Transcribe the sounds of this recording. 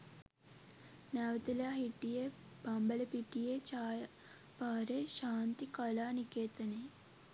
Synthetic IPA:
naʋɐt̪ɐlaːɦiʈːijeː | bɐmbɐlɐpiʈːijeːt͡ʃaː | paːɾeːʃaːnt̪ikɐlaːnikeːt̪ɐni

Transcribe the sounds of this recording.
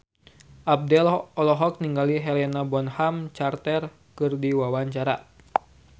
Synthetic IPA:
ʔab̚dɛlɔlɔɦɔk̚niŋɡaliɦɛlɛnabɔnhamt͡ʃart̪ɛr | kɨrdiwawaɲt͡ʃaɾa

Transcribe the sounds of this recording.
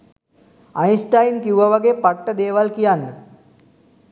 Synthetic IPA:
ajsʈajinkiuʋaʋaɡeːpaʈːəd̪eːʋalkijaɳɖə

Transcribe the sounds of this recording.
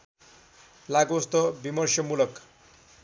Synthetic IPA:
laɡost̪ʌbimʌrsjʌmulʌk

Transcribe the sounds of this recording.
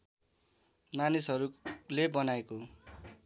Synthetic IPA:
manisɦʌɾulebʌnaeko

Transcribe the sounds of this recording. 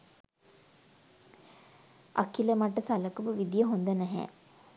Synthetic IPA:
ʔa̰kiləmaʈəsaləkuʋəʋid̪ijəɦond̪ənɛɦɛ̰ː

